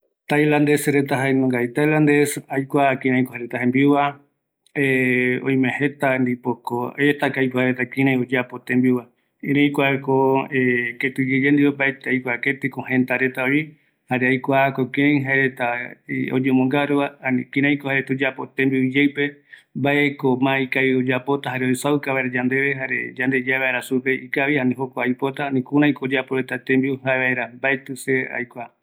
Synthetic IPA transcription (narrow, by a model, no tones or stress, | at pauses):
t̪ajlãnd̪e̞sɾet̪aɦaenõŋɡajt̪ajland̪esajkʷakĩɾãjkohaɾet̪aɦẽmbiwa | eõj̃mẽhet̪and̪ipokoet̪akajkʷahaɾet̪akĩɾãjod͡ʒapot̪ẽmbiwa | kĩɾẽjkʷakoeket̪ud͡ʒed͡ʒend̪iwembaet̪ajkʷaket̪ikõhẽnt̪aɾe̞t̪aoi | haɾeajkʷakokiɾẽj̃ɦaeɾet̪aeo̰d͡ʒemõŋɡaɾuβaanĩkĩɾãj̃kohaɾet̪ud͡ʒapo̞t̪ẽmbid͡ʒewpe̞mbaekomãikaiod͡ʒapo̞t̪aɦaɾeojsawkaβaeɾad͡ʒãnd̪e̞βeɦaɾḛd͡ʒand̪e̞d͡ʒaβaeɾasupe̞ʔikaʋianĩɦokʷaajpo̞t̪aanĩkuɾ̃ãĩkod͡ʒapoɾet̪at̪ẽmbiuhaeβaeɾambaet̪ɨsea̰jkʷa